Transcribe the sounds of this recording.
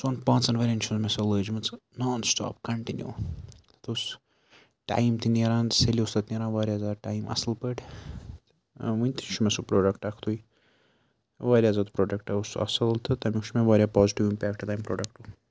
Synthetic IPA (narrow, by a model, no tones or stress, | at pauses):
sonpãːt͡sɐnʋɐɾʲɐnʲt͡ʃʰuzmesɐləːd͡ʒmɨt͡snaːnsʈa̰ːpkɐɳʈinjṵ | t̪us | ʈa̰jmt̪ineɾãːnt̪selʲiust̪ɐt̪nʲeɾaːnʋaːɾjaɐzaːd̪ʈaːjmɐ̰slpəʈʲ | ʋɨnʲt̪inʃʰumesupɾoːɖɐkʈɐkʰt̪ʰuj | ʋaːɾʲjazaːd̪pɾoːɖɐkʈɐusɐ̰sɨlt̪ʰɨt̪ɐmʲiuʃmeʋaːɾʲjaːpaːziʈiʋimpʲaːk̚ʈt̪aːjmpɾo̰ːɖɐk̚ʈu